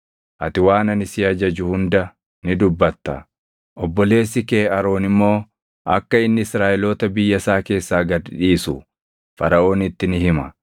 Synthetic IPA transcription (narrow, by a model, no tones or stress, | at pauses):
ʔɐt̪ɪwaːnɐnɪsɪɐd͡ʒɐd͡ʒʊhʊnd̪ɐ | nɪd̪ʊbːɐt̪ːɐ̰ | ʔɔbːɔle̞ːs̬ːɪkeːɐɾo̞ːnɪmːo̞ː | ʔɐ̰kːɐɪnːɪɪsɾaːʔɪlo̞ːt̪ɐbɪjːɐsaːke̞ːsːaːɡɐd̪ᶑiːsʊ | fɐ̰ɾɐʔo̞ːnɪt̪ːɪnɪɦɪmɐ